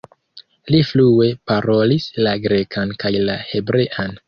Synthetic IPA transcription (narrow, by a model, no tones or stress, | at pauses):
liflue̞paɾo̞lislaɡɾe̞kʰankajlahe̞bɾe̞ʔan